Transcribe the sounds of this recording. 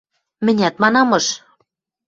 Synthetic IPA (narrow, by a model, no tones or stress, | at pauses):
mɘ̆nʲæt̪mɑnɑmɤ̆ʃ